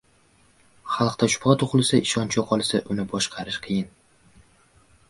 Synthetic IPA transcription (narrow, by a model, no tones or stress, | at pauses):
χɑlˠqt̪ʰaʃʊ̥pʁɑt̪ʰʊχlˠsaʔɪʃɒnt͡ʃʰɒqʰɒlˠsaʔʊnɪbɒʃqʰɑɾɪʃqʰɨjɪn